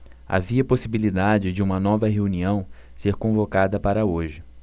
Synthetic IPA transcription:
a̰viɐposibilid̪ad͡ʒɪd͡ʒɪũmɐnɔvɐɦeuniɐ̃w̃seɾkõvokad̪ɐpaɾɐoʒɪ

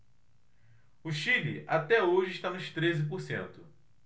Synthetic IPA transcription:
ʊʃilḭʔat̪ɛoʒɪiʃt̪anʊʃt̪ɾezɪp̬oɾsḛ̃nt̪ʊ

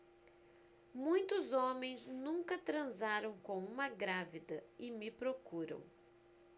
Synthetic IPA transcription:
mũj̃t̪ʊzõmẽj̃znũŋkɐt̪ɾɐ̃zaɾɐ̃w̃kõw̃ũmɐɡɾavid̪ɐɪmɪpɾokuɾɐ̰̃w̃

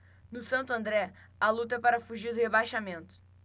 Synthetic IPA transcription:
nʊsɐ̃nt̪uɐ̃nd̪ɾɛ | ɐlˠut̪ɐɛpaɾɐfuʒiɾd̪ʊhebajʃamẽnt̪ʊ̥

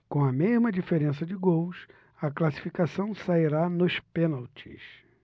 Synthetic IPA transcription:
kõw̃ɐmeʒmɐd͡ʒifeɾẽsɐd͡ʒɪɡows | ɐklasi̥fikasɐ̃w̃saiɾanʊspẽnawt͡ʃḭs

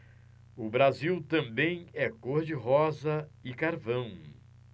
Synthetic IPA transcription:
ʊbɾaziwt̪ɐ̃mbẽj̃ɛkoɾd͡ʒɪɦɔzɐɪkaɾvɐ̃w̃

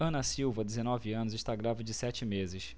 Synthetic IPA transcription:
ɐ̃nɐsiwvɐd̪ezenɔvɪɐ̃nʊzɪʃt̪aɡɾavɐd͡ʒɪsɛt͡ʃɪmezɪs

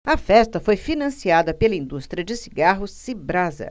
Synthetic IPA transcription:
ɐfɛst̪ɐfojfinɐ̃siad̪ɐpelɐĩnd̪ust̪ɾiɐd͡ʒɪsiɡaɦʊsibɾazɐ̰

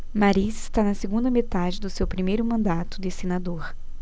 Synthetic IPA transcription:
maɾizɪst̪anɐseɡũnd̪ɐmet̪ad͡ʒɪd̪ʊsewpɾimejɾʊmɐ̃nd̪at̪ʊ̥d̪ɪsenad̪oɾ

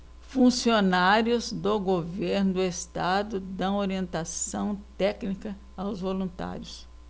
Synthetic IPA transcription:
fũsionaɾjʊzd̪oɡoveɾnʊd̪ʊest̪ad̪ʊd̪ɐ̃w̃oɾiẽnt̪asɐ̃w̃t̪ɛknikɐ | awzvolũnt̪a̰ɾjʊs

